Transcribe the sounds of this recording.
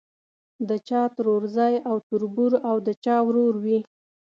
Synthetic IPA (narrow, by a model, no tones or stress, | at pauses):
d̪ət͡ʃɑt̪ɾoɾzɑjawt̪uɾbuɾawd̪ət͡ʃɑwɾoɾwi